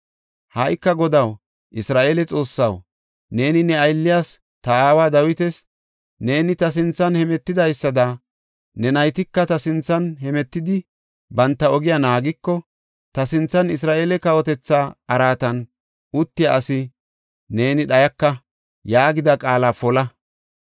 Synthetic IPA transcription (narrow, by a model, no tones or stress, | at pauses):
haʔɪkːɐɡɔd̪ɐw | ʔɪsɾaːʔeːlɛt͡sʼo̞ːsːɐw | ne̞ːnɪnɛɐjlːɪjas | t̪ɐaːwaːd̪ɐwɪt̪ɛs | ne̞ːnɪt̪ɐs̬ɪnt͡sːɐnhɛmɛt̪ːɪd̪ɐjsːɐd̪ɐ | nɛnɐjt̪ɪkːɐt̪ɐsɪnt͡sːɐnɦɛmɛt̪ːɪd̪ɪ | bɐnt̪ːɐɔɡɪjanaːɡɪkːɔ | t̪ɐsɪnt͡sːɐnɪs̬ɾaːʔeːlɛkɐwɔt̪ɛt͡sːaːɐɾaːt̪ɐn | ʔʊt̪ːɪjaʔɐsɪ | ne̞ːnɪɗɐjɐkːɐ | jaːɡɪd̪ɐkʼaːlaːfɔlɐ